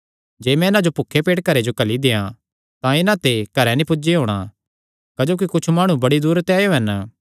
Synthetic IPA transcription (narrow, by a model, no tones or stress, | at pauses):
d͡ʒeːmɛ̃ɪnãd͡ʒopʊkʰːepeːʈ̚kɐɾed͡ʒokɐlid̪ejã | t̪ãɪnãt̪ekɐɾɛnĩpʊd͡ʒiɦoːɽ̃ã̰ | kɐd͡ʒoːk̬ikʊt͡ʃʰmaːɽ̃ũbɐɽid̪uːɾt̪ɛːjoɦɛn